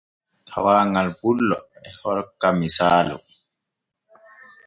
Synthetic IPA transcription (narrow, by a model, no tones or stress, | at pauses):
tʰa̰waːŋalbulːɔɛhɔlkamisaːlṵ